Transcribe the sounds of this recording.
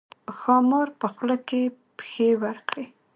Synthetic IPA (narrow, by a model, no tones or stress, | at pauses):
xɑmɑɾpəxlakepxewaɾkɽe